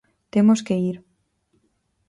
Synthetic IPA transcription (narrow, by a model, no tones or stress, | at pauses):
t̪emoskeiɾ